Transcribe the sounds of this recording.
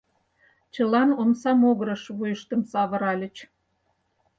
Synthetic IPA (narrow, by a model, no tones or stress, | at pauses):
t͡ɕə̆lɑnomsɑmoɣəɾə̆ʃβujəʃt̪ə̆msɑβə̆ɾɑlʲə̆t͡ɕ